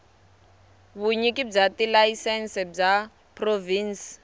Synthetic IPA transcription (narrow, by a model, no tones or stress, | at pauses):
βuɲikib͡ʐatilaisɛnsɛb͡ʐa | proviːns